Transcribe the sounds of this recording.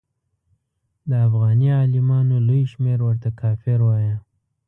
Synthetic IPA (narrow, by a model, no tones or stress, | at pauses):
d̪əafɣɑniɑlɪmɑnolojʃmeɾwəɾt̪akʰɑfɪɾwɑja